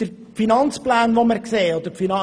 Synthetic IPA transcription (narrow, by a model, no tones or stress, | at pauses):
d̥əɾ | finɑnt͡splæːnʋoməɾkseːɔd̥̪əɾfinɑ